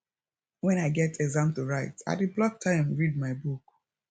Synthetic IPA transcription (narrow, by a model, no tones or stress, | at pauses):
wɛ̃naɪɡɛtʰɛɡzãmtuɹaɪta̰təblɔk̚tʰãɪ̃mɹid̚maɪbuk